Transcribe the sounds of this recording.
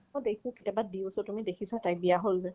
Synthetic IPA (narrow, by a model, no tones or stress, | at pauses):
ɔdekʰʊ̃kitabadiʊsɔtumidekʰisatajbijaɦolzɛ